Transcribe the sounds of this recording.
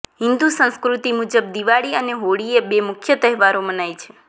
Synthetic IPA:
ɦɪnd̪usə̃nskɾut̪imud͡ʒəb̚d̪iʋaɭiəneɦoɽiebemʊkʰjət̪əɦɛʋaɾomənajt͡ʃʰe̥

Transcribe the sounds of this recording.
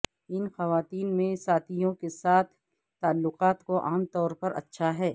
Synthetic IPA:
ɪnxɐʋaːt̪iːnmẽsaːt̪ʰijõkesaːt̪ʰː | aːlːʊqaːt̪koʔaːmt̪ɔːɾpɐɾɐ̰tːʃʰaɦɛː

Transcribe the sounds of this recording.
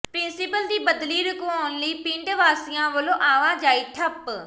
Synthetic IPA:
pɾɪnsɪpəld̪iːbəd̪liːɾʊkʋaːʊnləiːpɪ̃ɳɖʋaːsɪjãːʋəlõːʔaːʋãːd͡ʒaːiːʈʰəp

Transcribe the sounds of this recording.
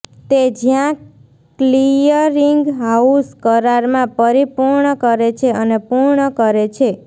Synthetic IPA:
t̪ed͡ʒjã | klijəɾiŋɡɦauskəɾaɾmãpəɾipuɾɳəkəɾet͡ʃʰeənepuɾɳəkəɾet͡ʃʰe

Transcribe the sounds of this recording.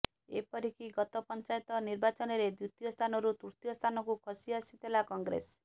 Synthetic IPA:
ḛpɔɾikiɡɔt̪ɔpɔnt͡ʃajt̪ɔniɾbat͡ʃɔnɔɾed̪jut̪ijɔst̪ʰanɔɾut̪uɾt̪jɔst̪ʰanɔkukʰɔsiasit̪ʰelakɔŋɡɾḛs

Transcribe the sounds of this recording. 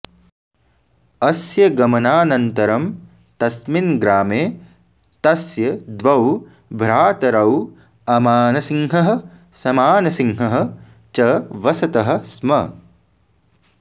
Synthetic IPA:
ɐsjɐɡɐmɐnaːnɐnt̪ɐɾɐm | t̪ɐsminɡɾaːmeː | t̪ɐsjɐd̪ʋɐw | bʱɾaːt̪ɐɾɐw | ɐmaːnɐsiŋɦɐɦɐ̆ | sɐmaːnɐsiŋɦɐɦɐ̆ | t͡ʃɐʋɐsɐt̪ɐɦɐ̆smɐ̰

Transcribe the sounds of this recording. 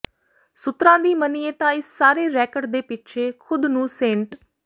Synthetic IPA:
sʊt̪ɾãːd̪iːməniːeːt̪ãːɪsːaːɾeːɾɛːkəɖd̪eːpɪtːʃʰeːkʰʊd̪nũːsẽɳʈ

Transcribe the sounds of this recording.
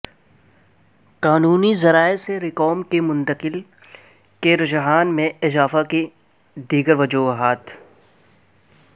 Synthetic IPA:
qaːnuːnizɐɾaːeseɾɪkɔːmkemʊ̃nt̪əqɪl | keɾʊd͡ʒɦaːnmẽɪzaːfake | d̪iːɡəɾʋɐd͡ʒuːɦaːt̪ʰ

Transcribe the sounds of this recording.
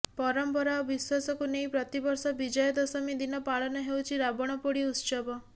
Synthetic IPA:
pɔɾɔmpɔɾaɔbiswasɔkunejpɾɔt̪ibɔɾsɔbid͡ʒɔjɔd̪ɔsɔmid̪inɔpaɭɔnɔɦewt͡ʃʰiɾabɔɽ̃ɔpoɽiut̪ʃɔbɔ

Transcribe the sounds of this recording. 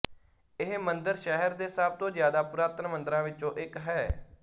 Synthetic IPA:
ɪɦmənd̪əɾʃɛɦəɾd̪eːsəb̚t̪õːzjaːd̪aːpʊɾaːt̪ənmə̃nd̪əɾãːʋɪt͡ʃõːʔɪkɦɛː

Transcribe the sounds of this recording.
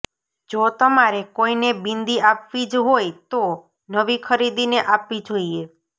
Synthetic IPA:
d͡ʒot̪əmaɾekoinebind̪iapʋid͡ʒɦojt̪o | nəʋikʰəɾid̪ineʔapʋid͡ʒoie

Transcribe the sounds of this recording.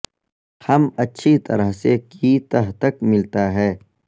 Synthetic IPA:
hɐmɐtːʃʰit̪ɐɾəɦsekiːt̪ɐɦt̪əkmɪlt̪aɦɛː

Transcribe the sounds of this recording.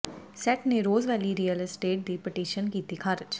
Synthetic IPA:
sɛʈneɾoːzʋɛːliɾiːjəlɪsʈeːʈ̚d̪ipɪʈiːʃənkiːt̪ikʰaːɾɪd͡ʒ

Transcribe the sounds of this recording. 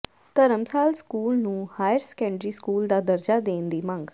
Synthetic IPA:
t̪əɾəmsaːlskuːlnũːhaːjəɾskɛ̃ːɳɖɾiːskuːld̪aːd̪əɾd͡ʒaːd̪eːnd̪iːmə̃ŋɡ

